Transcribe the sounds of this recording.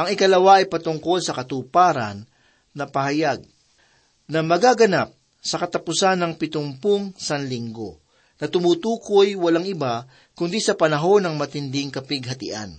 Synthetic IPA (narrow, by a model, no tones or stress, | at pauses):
ʔɐŋɪkɐlɐwaʔɐjpɐt̪ʊŋko̞lsɐkɐt̪upaːɾɐ̰nː | ɐpɐɦɐjaɡ̚ | nɐmɐɡaɡɐnap̚ | sɐkɐt̪ɐpʊsanɐŋpɪt̪ʊmpoŋsɐnlɪŋɡo̞̰ | nɐt̪ʊmuːt̪uːkojwɐlaŋʔɪba | kʊnd̪isɐpɐnɐɦo̞nɐŋmɐt̪ɪnd̪ɪŋkɐpɪɡ̚ɦɐt̪ɪ̰ʔa̰n